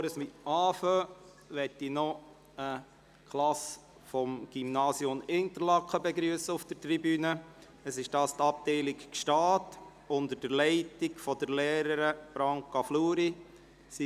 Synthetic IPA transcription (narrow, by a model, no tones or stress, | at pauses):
oɾəsmiɑːfø | ʋɛtːinɔ | ə | kʰlɑs | fɔmɡ̥imnɑːsiʊmɪnt̪əɾlɑkχəbɛɡɾyəsəufd̥əɾtribyːnə | əsɪʃd̥ɑːst̪ɑp̚tɛɪlikkʃtɑːt | ʊnd̪əɾd̥əɾlɛɪtiɡfɔdəɾlɛːɾəɾəb̥ɾɑŋkɑfluːɾi | si